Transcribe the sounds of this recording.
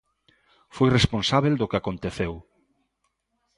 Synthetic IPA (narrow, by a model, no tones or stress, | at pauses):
fojresponsaβeld̪okeakont̪eθew